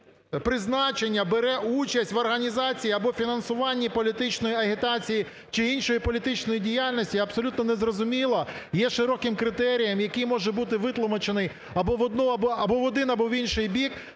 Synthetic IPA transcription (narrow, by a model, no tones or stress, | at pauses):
pɾɪznɑt͡ʃenʲːɐbeɾɛʔut͡ʃɐsʲtʲʋɐrɦɐnʲizɑt͡sʲijiɐbɔfʲinɐnsʊʋɑnʲːipɔlʲit̪ɪt͡ʃnɔjiɐɦʲɪt̪ɑt͡sʲiji | t͡ʃɪinʃɔjipɔlʲit̪ɪt͡ʃnɔjidʲijalʲnɔsʲtʲiɐpsɔlʲut̪nɔnezrɔzʊmʲilˠɐ | jɛʃɪɾɔkɪmkɾɪt̪ɛɾʲijɐmjɐkɪjmɔʒɛbut̪ɪʋɪt̪lˠɔmɐt͡ʃenɪj | ɐbɔʋɔd̪nɔɐbɔɐbɔʋɔd̪ɪnɐbɔʋinʃɪjbʲik